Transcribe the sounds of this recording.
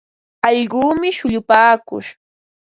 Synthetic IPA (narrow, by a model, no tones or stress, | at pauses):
ɑʎɢuːmɪʃʊʎʊpaːkʊ̰ʃ